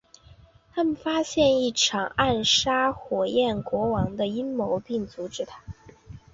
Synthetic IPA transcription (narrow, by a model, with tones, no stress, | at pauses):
t̪ʰa˥mə˨nfa˥ɕjɛ˥˧ni˥˩ʈ͡ʂʰɑ˨˩ŋa˥˩nʂa˥xwɔ˨˩jɛ˥˩nkwɔ˧˥wɑ˧˥ŋd̪ə˧i˥nmo˧˥ʊpi˥˩ŋt͡su˧˥ʈ͡ʂɻ̩˨˧˥t̪ʰa˥